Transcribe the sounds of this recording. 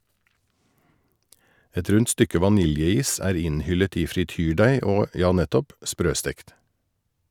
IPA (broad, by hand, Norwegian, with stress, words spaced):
ˈɛt ˈɾʉnt ˈstʏkə ʋɑˈnɪljəˌiːs ˈæːɾ ˈɪnˌhʏlət ˈiː fɾɪˈtyːˌɖæɪ ˈoː ˈjɑː ˈnɛtɔp ˈspɾøːˌstɛkt